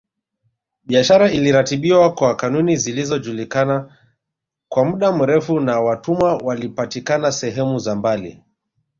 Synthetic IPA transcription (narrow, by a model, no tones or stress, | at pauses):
ɓiaʃaɾailiɾatiɓiwakwakanunizilizɔd͡ʒulikana | kwamuɗam̩ɾɛfunawatumawalipatikanasɛɦɛmuzambalḭ